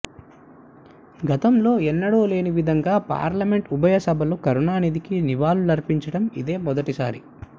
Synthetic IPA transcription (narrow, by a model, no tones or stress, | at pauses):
ɡɐt̪ɐmlo̞ːɛnːɐɽoːle̞ːniʋid̪ʱɐŋɡaːpa̰ːɾlɐmeɳʈubʱɐjɐsɐbʱɐlokɐɾunaːnid̪ikiniʋaːlulɐɾpiɲt͡ʃɐɽɐmid̪e̞ːmɔd̪ɐʈisa̰ːɾḭ